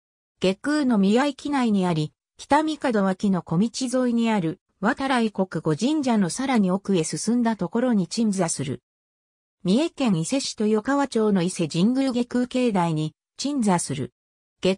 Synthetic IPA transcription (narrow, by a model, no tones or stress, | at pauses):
ɡ̥e̞kɯːno̞mʲiɡaikʲinaiɲ̟iaɾʲi | kʲi̥t̪amʲikad̪o̞βakʲino̞ko̞mʲit͡ɕizo̞iɲ̟iaɾɯ̟ | βat̪aɾaiko̞kɯ̟ɡo̞ʑĩɲ̟d͡ʑano̞saɾaɲ̟io̞kɯ̟e̞sɨsɨ̃nd̪at̪o̞ko̞ɾo̞ɲ̟it͡ɕĩnd͡zasɨɾɯ̟̰ | mʲie̞kẽ̞ɰ̃ise̞ɕi̥t̪o̞jokaβat͡ɕo̞ːno̞ise̞d͡ʑĩŋɡɯ̟ɾɯɡe̞kɯːke̞ːd̪aiɲ̟i | t͡ɕĩnd͡zasɨɾɯ̰ | ɡ̥e